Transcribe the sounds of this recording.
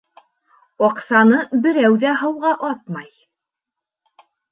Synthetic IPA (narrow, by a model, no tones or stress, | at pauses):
ɒqsɑnɤbɘ̆ɾæwðæɦɤ̆wʁɑʔɑt̪̚mɑj